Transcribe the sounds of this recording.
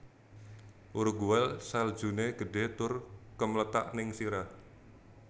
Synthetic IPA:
ʔuɾuɡuwɛlsald̥ʒ̥ṳneɡ̥ə̤ɖ̥e̤t̪ʊrkəmlət̪a̰ʔnɪŋsiɾa

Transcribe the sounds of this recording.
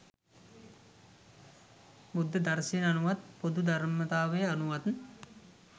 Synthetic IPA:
bud̪ːəd̪aɾsinanuʋat̪̚pod̪ud̪aɾmət̪aːʋəjəanuʋat̪

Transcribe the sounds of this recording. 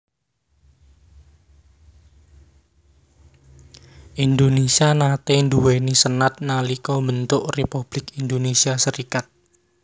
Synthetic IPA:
ʔind̪onesianat̪end̪uwenisənat̪̚nalikɔmbənt̪ʊʔrepub̥lɪkind̪onesiasəɾikat̪̚

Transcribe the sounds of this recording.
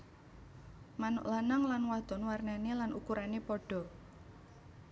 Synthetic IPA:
manʊ̰ʔlanaŋlanwad̪̥ɔ̤nwarnanelanukuɾanepɔɖ̥ɔ̤

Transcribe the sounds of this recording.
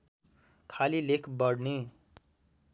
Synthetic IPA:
kʰalilekʰbʌɽne

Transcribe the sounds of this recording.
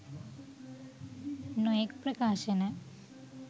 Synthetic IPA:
nɔjekpɾəkaːʃena

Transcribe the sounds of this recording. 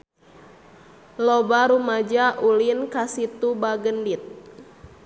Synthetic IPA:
lɔbaɾumad͡ʒaʔulinkasit̪ubaɡəndit̪̚

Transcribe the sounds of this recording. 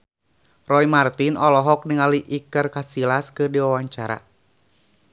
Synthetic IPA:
rɔimart̪inɔlɔɦɔk̚niŋaliʔikɨrkasilaskɨrdiwawaɲt͡ʃaɾa̰

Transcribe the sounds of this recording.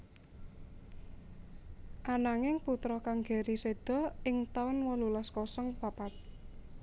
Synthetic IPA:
ʔanaŋɪŋput̪ɾɔkaŋɡe̤ɾised̪̥ɔ̤ɪŋt̪aʊnwɔlulaskɔsɔŋpapat̪̚

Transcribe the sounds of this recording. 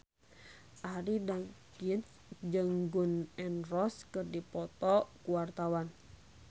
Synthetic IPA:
ʔaɾidaŋkins | d͡ʒəŋɡunɛnrɔskɨrdipɔt̪ɔkuwart̪awan

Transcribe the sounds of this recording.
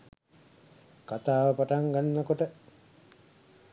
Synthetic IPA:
kat̪aːʋəpaʈaŋɡanːəkoʈə

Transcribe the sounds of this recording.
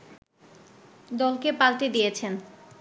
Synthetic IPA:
d̪ɔlkepalʈed̪ijet͡ɕʰen

